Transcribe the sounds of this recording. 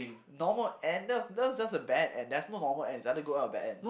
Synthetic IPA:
nɔməlɛ̃ndɛtsdɛtwsd͡ʒasəbɛdɛ̰̃ndɛtsnonɔməlɛ̃nsãɡoaʊtəbɛ̰tɛ̃n

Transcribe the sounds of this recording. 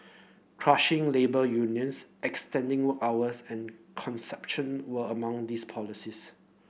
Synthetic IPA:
kʰɹaʃɪ̃ŋlebəjunjə̃nsʔɛkstɛ̃ndɪ̃ŋwəkawəsɛ̃nkʰɔ̃nsɛp̚ʃə̃nwəəmãŋdispʰɔlisis

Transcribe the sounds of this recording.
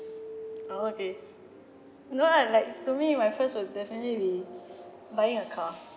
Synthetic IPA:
ooke | noalaɪk̚tumimaɪjfəstwɪdɛfənətlibi | baɪĩŋəkʰa

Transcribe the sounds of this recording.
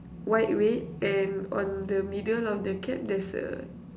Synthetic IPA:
wajt̚wet̚ɛ̃nɔ̰̃ndəmidəlɔfdəkʰɛ̃p̚dɛsə̰

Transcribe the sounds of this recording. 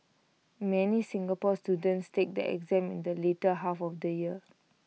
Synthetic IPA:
mɛnisĩŋɡapɔstjudə̃ntstek̚də̰ʔɛ̰kzɛ̃mḭ̃ndəletəɦafɔfdəjiə

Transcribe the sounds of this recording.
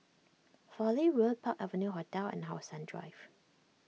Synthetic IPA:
fɔliɹolpʰakɛvənjuɦɔtɛlɛ̰̃nɦaʊsãndɹa̰ɪv̥

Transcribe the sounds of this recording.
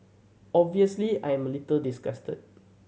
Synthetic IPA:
ɔbviəslia̰jɛ̃məlitəldisɡastə̰t̚

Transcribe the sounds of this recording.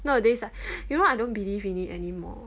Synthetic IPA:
nodesajunoajdõnbilivĩnitɛ̰nimɔ̰

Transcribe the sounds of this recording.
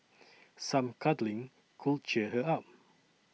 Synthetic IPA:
sãmkʰadlĩŋ | kʰul̚t͡ʃɛɦəap̚

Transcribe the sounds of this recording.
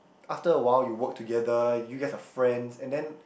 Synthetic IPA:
ʔaftəəwaɪljuwɔk̚tʰuɡɛdəjuɡɛtəfɹɛ̃ndsɛ̃ndɛ̃n

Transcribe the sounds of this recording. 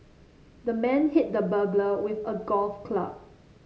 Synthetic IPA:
dəmɛ̃nhɪt̚dəbəbləwɪθəɡɔlfkʰla̰p̚

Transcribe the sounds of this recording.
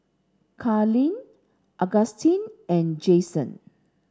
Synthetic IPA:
kʰalĩn | ʔaɡastʰĩnɛ̃nd͡ʒesə̰̃n

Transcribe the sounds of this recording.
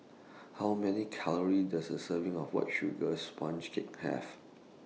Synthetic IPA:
hawmɛnikʰaləɹidasdəsəvɪ̃ŋɔfwɔ̰t̚ʃuɡəspʰãnt͡ʃkʰek̚hɛ̰v

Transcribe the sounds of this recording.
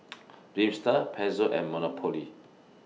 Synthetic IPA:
ɾipst̪apʰɛzoʔɛ̰mːɔnɔpʰoli

